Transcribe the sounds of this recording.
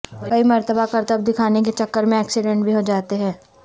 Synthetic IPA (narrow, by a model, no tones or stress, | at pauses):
kɐimɐɾt̪əbʱakɐɾt̪əb̚d̪ɪkʰaːnek̬et͡ʃɐkːəɾmẽɛːksɪɖɛ̃ɳʈbʱiɦod͡ʒaːt̪eɦɛ̃ː